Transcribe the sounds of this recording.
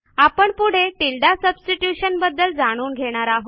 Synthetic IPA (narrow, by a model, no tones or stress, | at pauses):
apəɳpuɽ̤eʈilɖasəbsʈiʈjuɕənbəd̪ːəld͡zaɽ̃uːnɡʱeɽ̃aɾaɦo